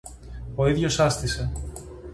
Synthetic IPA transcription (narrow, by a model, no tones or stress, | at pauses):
o̞iðʝo̞sɐst̪ise̞